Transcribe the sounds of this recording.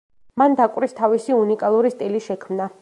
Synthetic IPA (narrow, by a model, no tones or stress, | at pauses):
mand̪akʼɾist̪ʰavisiunikʼalˠuɾist̪ʼiliʃɛkʰmna